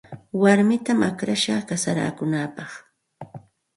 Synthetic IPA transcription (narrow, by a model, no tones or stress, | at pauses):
waɾmɪt̪amakɾaʃaːkasaɾa̰ːkʊnaːpɑχ